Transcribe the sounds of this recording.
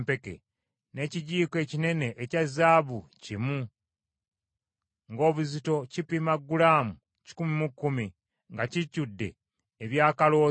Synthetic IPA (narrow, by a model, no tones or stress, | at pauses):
pe̞kḛ | ne̞ciɟiːke̞ːcine̞ne̞ʔːcazaːβucimu | ŋɡo̞ːβuzito̞cipimaɡːulaːmu | ci̥kumimukːumi | ŋɡacicːudːe̞̰ː | βjaːkalo̞ː